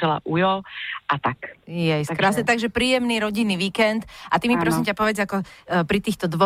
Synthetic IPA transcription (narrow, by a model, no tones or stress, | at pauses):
ɛla̰ʔujɔʔat̪akjɛjskɾaːsɛt̪aɡʒɛpɾiːjɛmniɾɔɟinːiʋiːkɛnt̪ʔat̪imipɾɔsimcapɔʋɛd͡zakɔpɾit̪iːxt̪ɔd̪ʋɔ